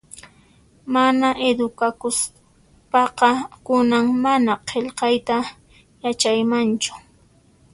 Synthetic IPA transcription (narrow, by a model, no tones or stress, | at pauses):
manaʔed̪ʊkakʊs | pɑqɑkʊnaŋmanaqʰeʎqɑjt̪a | jat͡ʃajmant͡ʃʊ̥